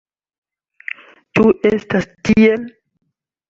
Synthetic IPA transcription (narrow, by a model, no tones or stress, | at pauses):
tuʔestastiel